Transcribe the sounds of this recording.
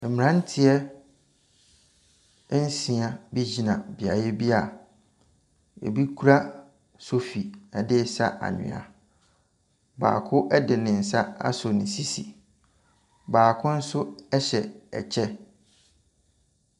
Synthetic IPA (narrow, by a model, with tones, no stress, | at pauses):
ɛ˨m˨ɾã˦n̩˦tʰɪ˦ɛ˦ | n̩˦sĩ˨ã˨bi˦d͡ʑi˨nã˨bi˨a˨jɛ˦bi˦a˨ | ḛ˨bi˦kʰu˦ɾa˦ | so˦fi˨a˨dɪ˦sa̰˦ʔa̰˨nʊ̰̃˨a̰˨ | ba̰ː˨kʰʊ˦ʔɛ˦dɪ˨nɪ̃˨n̩˨sa˦a̰˦sʊ˨nɪ̃˨si˦sḭ˨ | baː˨kʰʊ̃˦n̩˦sʊ˦ɛ˦ɕɛ˨ɛ̰˨t͡ɕʰɛ˦